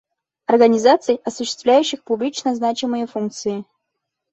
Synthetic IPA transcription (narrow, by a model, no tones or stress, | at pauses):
ɐrɡənʲɪzat̪sɨjɐsʊɕːɪ̥st̪vlʲæjʉɕːɪxpʊblʲit͡ɕnəznat͡ɕɪmɨjəfunk̚t̪sɨjɪ